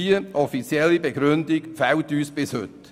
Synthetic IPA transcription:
iəʔɔfit͡sjɛlːibɛɡɾʏndɪɡfɛwtyːsb̥ɪshɵ̰t

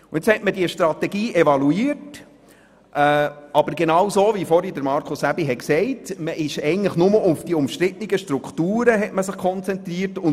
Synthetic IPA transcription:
ʊɪt͡shɛtmədiəʃtɾɑt̪ɛɡiːʔɛvɑluiːəɾt | ʔɛːʔɑbəɾɡenɑwsoːvifɔɾidəɾmɑɾkʰʊsæbiɦɛtksɛɪtməʔɪʃɛɪnləχnʊməʔʊfd̥iʊmʃtɾɪt̪nɪɡəʃtɾukχtuːɾəɦɛtməsɪχkʰχɔnt͡sɛnt̪ɾiːəɾtʊ

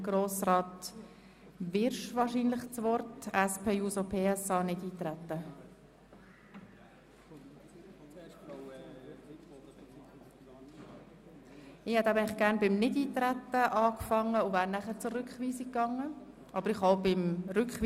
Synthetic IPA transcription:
ɡ̥ɾoːsrɑːt | vɪɾʃʋɑːɾʃiːnlɪχt͡sʋɔɾtɛspʰeːjuːsopʰeːɛsɑːnɪdiːt̪ɾɛt̪ːə | ɪhɛtæbɛɪɪχɡ̥æɾnbɪmnɪdiːt̪ɾæt̪ːəʔɑːkfɑŋːəʊvæːɾnæχəɾt͡sʊɾʏkχʋiːsikːɑŋːə | ʔɑbəɾɪχaʊbɪmɾʏkχʋ

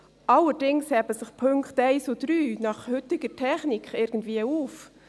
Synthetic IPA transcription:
ʔɑləɾd̥ɪŋshɛbəsɪχpʰøŋkχtɛɪsodɾyːnɑχhʏtɪɡ̥əɾtʰɛχnɪkχɪɾɡ̥ən̩dviːəuːf

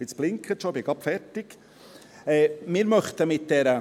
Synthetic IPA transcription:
ɪt͡sb̥lɪŋkʰət̪ʃob̥ɪɡɑpfɛɾtɪɡ̥ | ɛːmɪːɾmœχt̪əmɪt̚d̥ɛɾə

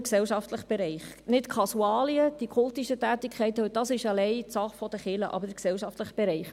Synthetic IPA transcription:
ksɛlʃɑftləχb̥ɛɾɛɪχ | nɪtkʰɑsuɑːliəd̥ikʰʊltiʃətæːtikʰɛɪtd̥ɑsɪʃɑlɛɪtsɑχfɔd̥̪əχɪləʔɑ̰bəɾksɛlʃɑft̪ləχb̥ɛɾɛɪχ

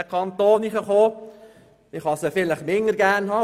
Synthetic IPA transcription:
əkʰɑnt̪oːniχəχoː | ɪχhɑsəfɪləχmɪŋəɾɡ̥æɾnhɑː

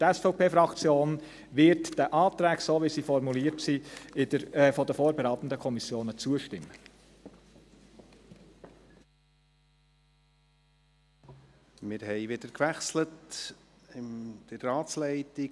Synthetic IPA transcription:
tɛsfɔʊpʰeːfɾɑkt͡sjoːn | vɪɾtd̥ɛʔɑːt̪ɾɛːksoːʋisiːfɔɾmuliːɾtsiɪdəɾfɔdəfoːɾbɛɾaːt̪ən̩dəkʰɔmisjoːnət͡suəʃtɪmə | mɪɾhɛɪvɪd̪əɾkʋæχslət | ɪmd̪̥əɾːɑːt͡slɛɪtɪ

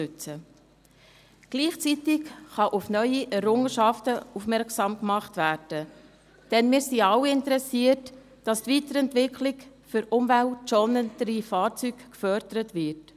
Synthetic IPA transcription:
ʉt͡sə | ɡ̥liːχt͡sitɪkχɑʔʊfnœʏiʔɛɾʊŋəʃɑftəufmɛɾksɑːmkmɑχtvæːɾd̥ə | d̥ɛnmɪːɾsiɑwɪntəɾɛsiət | d̥ɑstvitəɾɛntvɪkʰlɪk | fʏɾʔʊmvæltt͡ʃɔnəntəɾifɑːɾt͡sykkfœɾdəɾətvɪɾt

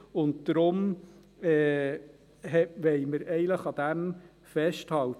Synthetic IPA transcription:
ʊnt̚d̪̥ɾʊm | ɛː | ɦɛʋɛɪməɾɛɪləχɑd̪æm | fɛʃthɑwt

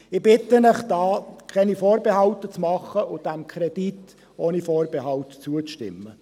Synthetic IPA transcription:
ɪb̥ɪt̪ənəχd̥ɑːkʰɛnifoːɾbeɦɑlt̪ət͡smɑχːəʊd̥æmkʰɾɛd̥it | oːnifoːɾbeɦɑltt͡suət͡sʃtɪ̰mːə

